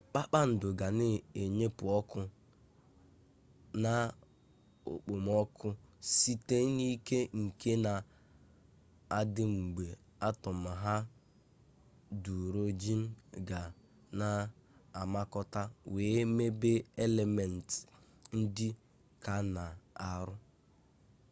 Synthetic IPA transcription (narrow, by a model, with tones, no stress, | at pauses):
k͡pa˦k͡pa˦n̩˨dʊ˨ɡa˨nɪ˨e˨ɲe˦pʊ˨ɔ˦kʊ˦ | na˦ | ʊ̰˨k͡po˨m˦ɔ˦kʰʊ˦si˦te˦ni˦ke˦ŋ̩˨ke˦na˨ | a˦dɪ˦ŋ͡m̩˨ɡ͡be˨ | a˦tɔ˨m̩˨ɦa˦ | du˨ɾo˦d͡ʒi˦m̩˦ɡa˨ | na˨a˨ma˦kɔ˦ta˦weː˨˦me˦be˦e˦le˨me˨n̩˨tɪ̥˨ | n̩˦dɪ˦ | ka˨na˨a˨ɾʊ˦